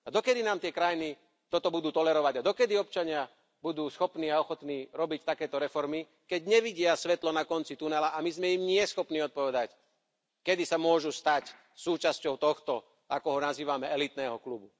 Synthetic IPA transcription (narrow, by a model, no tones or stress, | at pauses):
ad̪ɔkɛd̪inaːmt̪ɪɛkɾajini | t̪ɔt̪ɔbud̪uːt̪ɔlɛɾɔʋaɟad̪ɔkɛd̪iɔp̚t͡ʃaɲɪa | bud̪uːsxɔpniːaɔxɔt̪niːɾɔbic̚t̪akɛːt̪ɔɾɛfɔɾmi | kɛɟɲɛʋiɟɪasʋɛt̪lɔnakɔnt͡sit̪unɛlaʔamizmɛimɲɪɛsxɔpniːɔt̪̚pɔʋɛd̪ac | kɛd̪isamʊɔʒust̪ac | suːt͡ʃascɔʊt̪ɔxt̪ɔ | akɔɦɔnaziːʋamɛɛlit̪nɛːɦɔklubu